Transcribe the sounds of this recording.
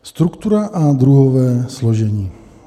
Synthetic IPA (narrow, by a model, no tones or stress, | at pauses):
st̪ɾukt̪uɾaʔad̪ɾuɦɔʋɛːslɔʒɛɲiː